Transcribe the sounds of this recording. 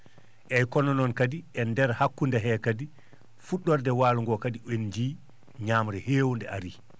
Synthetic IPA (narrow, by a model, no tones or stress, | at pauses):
ʔɛjkɔnɔnɔnkadiʔɛndɛɾhakːundaɦɛːkadi | fuɗːɔɾdɛwaːluŋɡɔkadiʔend͡ʒiː | ɲaːmɾɛheːwundɛaɾi